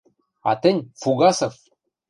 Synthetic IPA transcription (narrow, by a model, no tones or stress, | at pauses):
ɑ̰t̪ɘ̆nʲfuɡɑsɤ̆f